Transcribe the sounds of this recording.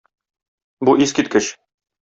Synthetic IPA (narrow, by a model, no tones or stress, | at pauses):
buʔiskit̪̚kɘɕ